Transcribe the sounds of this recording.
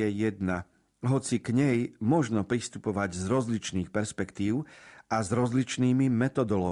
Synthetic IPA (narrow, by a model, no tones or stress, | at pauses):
ɛjɛd̪na | ɦɔt͡siɡɲɛjmɔʒnɔpɾist̪upɔʋaɟzɾɔzlit͡ʃniːxpɛɾspɛkt̪iːʊʔazɾɔzlit͡ʃniːmimɛt̪ɔd̪ɔlɔ